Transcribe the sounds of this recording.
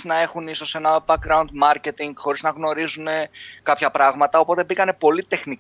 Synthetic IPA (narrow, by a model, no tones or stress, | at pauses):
znɐe̞xuniso̞se̞nɐbɐkɾɐund̪mɐɾce̞t̪iŋɡxo̞ɾiznɐɣno̞ɾizune̞kɐpçɐpɾɐɣmɐt̪ɐo̞po̞t̪e̞bikɐne̞po̞lit̪e̞xni